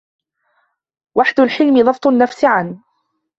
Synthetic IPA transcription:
waħd̪ʊlħɪlmɪd̪ˤɑbt̪ˤʊnːafsɪʕan

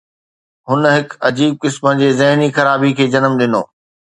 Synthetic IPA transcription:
ɦʊnɦɪkɐd͡ʑiːb̚kɪsmənɪ̆d͡ʑeːzɐɦnixɐɾaːbikʰeːd͡ʑɐnəmɗɪno̰ː

